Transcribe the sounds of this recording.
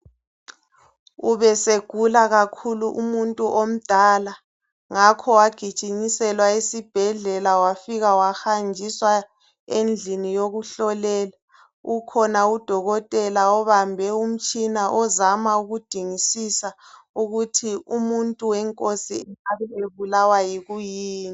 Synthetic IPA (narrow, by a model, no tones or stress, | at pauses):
uβɛseɡ̥ʱulaɣakʰuluʔumuntʼuʔom̩d̥ʱala | ŋakʰɔwaɡ̥ʱid̥t͡ʃʼiɲisɛlwaisib̥ʱɛɮɛlawafiɣawaxand͡ʒʱiswa | end͡ɮʱinijoɣuɬɔlɛːla | ukʰɔnaud̥ʱɔɣɔtʼɛlaɔβambʱɛum̩t͡ʃʼinaʔɔzamauɣud̥ʱiŋisisa | uɣutʰiumuntʼuwɛŋkʼosiaβɛeβulawajiɣujiːni